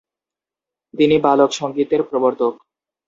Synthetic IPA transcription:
t̪inibalokʃɔŋɡit̪eɾpɾoboɾt̪ok̚

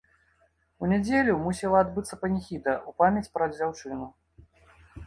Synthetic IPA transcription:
unʲɛd͡zʲelʲumusʲɛlˠɐad̪bɨt̪sːɐpɐnʲixʲit̪ɐʔupamʲɐt͡sʲpɾɐd͡zʲawt͡ʂɨnu

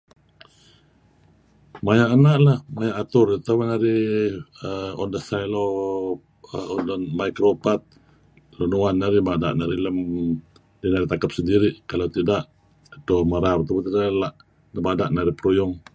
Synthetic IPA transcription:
majaʔanaʔlahmajaʔat̪ʊrit̪amanaɾi | əɔndəsajlo | ɔndənmajkɾopat̪̚ | lonuanːaɾimadaʔnaɾiləm | dinaɾit̪akəp̚səndiɾiʔkalawt̪idaʔ | t̪omaɾapt̪abat̪idalaʔ | ləmadaʔnaɾipəɾujʊŋ

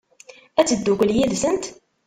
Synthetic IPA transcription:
æt͡sːəd̪ːukʷljiðsənt̪

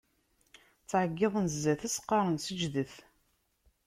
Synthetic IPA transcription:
t͡sːʕəɡːɪðˤənzːæθæsqːɑɾˤənsəd͡ʒðəθ

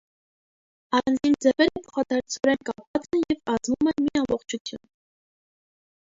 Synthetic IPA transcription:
ɑɾɑnd͡zind͡zɛvɛɾəpʰɔ̥χɑd̪ɑɾt͡sʰvɔɾɛnkɑpvɑt͡sɛnjɛvɑd͡zvumɛnmiɑmbɔχt͡ʃʰut͡sʰjṵn

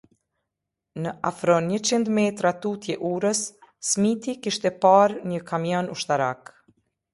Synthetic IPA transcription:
nəʔafɾɔnɲət͡ɕind̪mɛt̪ɾat̪ut̪jɛʔuɾəsːmit̪ikiʃt̪ɛpaɾɲəkʰamjɔnuʃt̪aɾak

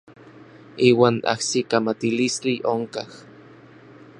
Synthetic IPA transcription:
iːwaːna̰hsikamat̪ilist͡ɬiʔoŋkah

